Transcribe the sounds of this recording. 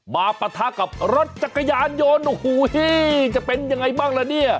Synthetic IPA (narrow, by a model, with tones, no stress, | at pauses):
maː˧pa˧t̪ʰaː˧˥ka˨˩p̚ɾo˦˥t̪̚t͡ɕa˨˩kːa˧jaː˧njoː˧nu˧huː˨˦hi˦˥˩t͡ɕa˨˩pe˧nja˧ŋːa˧jbaː˥˩ŋlɛː˧˦ni˥˩ɐ